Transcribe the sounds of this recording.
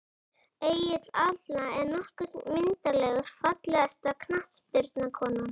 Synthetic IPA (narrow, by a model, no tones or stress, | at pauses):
eːjɪt̪laðlaɛɾnɔhkʏt̪mɪnt̪alɛɣʏɾ̥fat̪lɛast̪akʰnaht̪spɪɾt̪nakʰɔːnam